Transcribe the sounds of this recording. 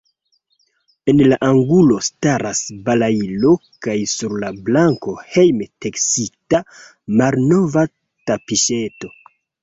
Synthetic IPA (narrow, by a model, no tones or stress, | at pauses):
e̞nlaʔaŋɡulo̞staɾasbalailo̞kajsuɾlablaŋko̞he̞jmteksita | malno̞va | tapiʃe̞to̞